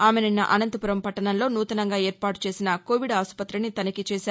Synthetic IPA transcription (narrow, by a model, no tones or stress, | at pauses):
aːmenɐnːɐ̰ʔɐnɐnt̪ɐpuɾɐmpɐʈːɐɳɐmlo̞ːnuːt̪ɐnɐŋɡaːe̞ːɾpaːʈu̥t͡ʃe̞ːsinɐkoːʋiɖaːspɐt̪ɾɐnːit̪ɐnɐkit͡ʃeːsaː